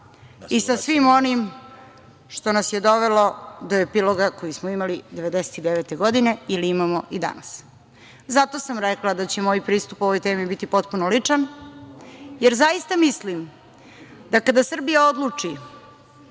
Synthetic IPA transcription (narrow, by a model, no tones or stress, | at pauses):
isasʋimo̞nim | ʃt̪o̞nasjed̪o̞ʋelo̞d̪o̞epilo̞ɡako̞jismoimalid̪e̞ʋe̞d̪ese̥t̪id̪eʋet̪e̞ɡo̞d̪ine̞iliimamoʔid̪a̰nas | zat̪o̞samɾeklad̪at͡ɕemoːjpɾiːst̪upo̞ʋo̞jt̪eːmibit̪ipo̞t̪punolit͡ʂan | jeɾzajist̪amislim | d̪akad̪asr̩bijao̞d̪lˠut͡ʂi